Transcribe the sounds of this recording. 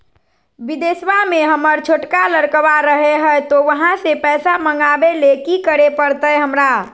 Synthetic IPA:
bid̪eːswamẽɦəməɾt͡ʃʰoʈkaləɾkəwaɾəɦeɦəjt̪oʋəɦãsepɛːsaməŋɡabelekikəɾepəɾt̪əɛɦəmɾa

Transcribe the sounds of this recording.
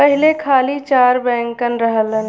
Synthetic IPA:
pəɦɪlekʰaːlit͡ʃaːɾbɛ̃ːŋkənɾəɦələn

